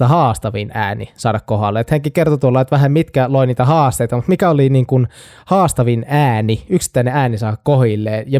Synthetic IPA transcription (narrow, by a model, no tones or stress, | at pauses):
ɑhɑːst̪ɑʋinæ̰ːnḭsɑːdɑkkohɑlːeet̪hæŋkikert̪ot̪uolːɑet̪ʋæhæmmit̪kæloiniːt̪æhɑːst̪eit̪ɑmut̪mikæoliniːŋkun | hɑːst̪ɑʋinæːniyksi̥t̪ːæineæːnisɑːdɑkkohilːeːjɑ